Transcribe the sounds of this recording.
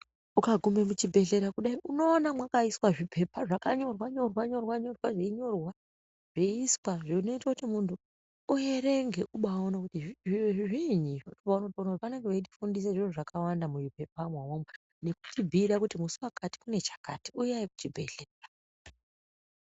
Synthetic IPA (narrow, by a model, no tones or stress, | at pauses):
ukaɡʱume̞mut͡ʃibʱe̞ɮe̞ɾakuɗaiʔuno̞ːnamwakaiswaʐipʰe̞paʐakaɲo̞rwaɲo̞rwaɲo̞rwaɲo̞rwaʐeiɲo̞rwa | ʐ̥eiswaʐino̞itakutimuntʰuː | jeɾe̞ŋɡeʔuɓaonakutiiʐiɲiotopaunotionakutipane̞ŋɡeʋeiti̥fundis̬eʐinuʐakʰawandamujipe̞pamwawomwa | ne̞ku̥tibʱiɾakutimusuwakati̥kune̞t͡ʃḁkatiujajikut͡ʃibʱe̞ɬea